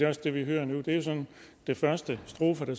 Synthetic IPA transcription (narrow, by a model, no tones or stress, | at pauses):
eɒsd̥e̝ʋiɦøːɐnud̥e̝josɒ̽n | d̥e̝fɶɐsd̥əsd̥ʁo̝ːfəɾ̥æ